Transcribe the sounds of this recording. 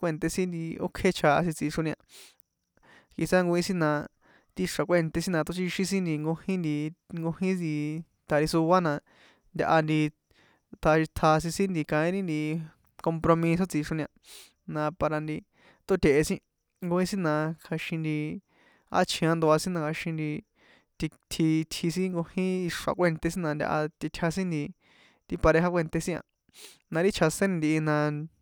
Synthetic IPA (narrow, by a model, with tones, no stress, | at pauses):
kʷe˦˧nt̪e˧sĩ˦nd̪i˧o̰˦kʰe˦t͡ʃʰa˧a̰˧s̬ĩ˧t͡si˧ʂo˧nĩ˧ã˧ | ki˧sã˦ŋɡo˧ĩ˦sĩ˦nã˧ | t̪i˦˧ʂa˨kʷe˦˨nt̪e˧sĩ˦nã˧t̪o˦t͡ʃi˧ʃĩ˦sĩ˦nd̪i˧ŋɡo˧hĩ˦nd̪i˧ŋɡo˧hĩ˦i˧ | t̪ʰa˧ɾi˧su˧βa˦nã˧ | nd̪ʲa˧ʔa˧nd̪i˧ | t̪ʰa˧ʃi˧t̪ʰa˧s̬ĩ˧sĩ˦nd̪i˧kã˧ĩ˦ɾi˦nd̪i˧ | ko˧mpɾo˧mĩ˧s̬o˦t͡si˧ʂo˧nĩ˧ã˧ | nã˧pa˧ɾa˧nd̪i˧ | t̪o˦t̪e˨ʔe˧sĩ˦ | ŋɡo˧ĩ˦sĩ˦nã˧kʰa˧ʃĩ˧nd̪i˧ | a̰˦t͡ʃʰĩ˧ã˧nd̪o˧a˧sĩ˦nã˧ka˧ʃĩ˧nd̪i˧ | t̪i˧t̪ʰi˧t̪ʰi˧s̬ĩ˦ŋɡo˧hĩ˦i˧ʂa̰˨kʷe˦˧nt̪e˧sĩ˦nã˧nd̪ʲa̰˧ʔa̰˧t̪i˧t̪ʲʰa˧sĩ˦nd̪i˧ | t̪i˧pa˧ɾe˧ɦa˦kʷe˦˧nt̪e˧sĩ˦ã̰˧ | nã˧ɾi˦t͡ʃʰa˧sẽ˦nĩ˧nd̪i˧i˧nã˧